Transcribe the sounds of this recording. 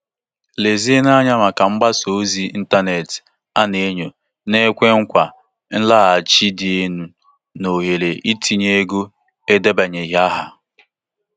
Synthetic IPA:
le˨zi˦e˦na˦ɲa˦ma˨ka˨ŋ͡m̩˦ɡ͡ba˦so˨˦zi˦n̩˦ta˦ne˨t | a˦ne˨e˦ɲo˨ | ne˦kʷe˦ŋ̩˦kʷa˨ | n̩˦la˦a˨t͡ʃi˦dɪ˨e˦nu˨ | no˨ɦe˨le˨ʔi˦tʰi˨ɲe˦ɡo˦ | e˦de˦ba˨ɲe˨ɦa˦ɦa̰˨

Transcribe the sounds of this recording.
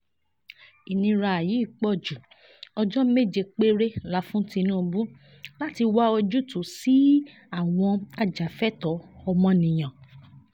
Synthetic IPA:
i˨nĩ˧ɾa˧a˨ji˨˦i˦˨k͡pɔ˦˨d͡ʒu˨ | ɔ˧d͡ʒɔ˦me˦˨d͡ʒe˧k͡pe˦ɾe˦la˨˦fũ˦ti˧nũː˦˧bu˦ | la˦ti˧wa˦o˧d͡ʒu˦tu˨si˦ | a˦˨w̃ɔ̃˧a˧d͡ʒa˨fɛ˦tɔ˨˦ɔ˧mɔ̃˧nĩ˨j̃ã˨

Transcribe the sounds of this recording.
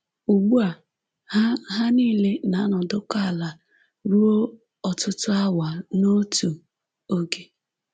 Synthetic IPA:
u˨ɡ͡bu˦a˨ | ha˦ɦa˦niː˦˨le˦na˨˦nɔ˨dʊ˦ka˦˨la˨ | ɾu˦o˦ | ɔ˨tʊ˦tʊ˦a˦wa˨no˦tu˨ | o˦ɡe˦

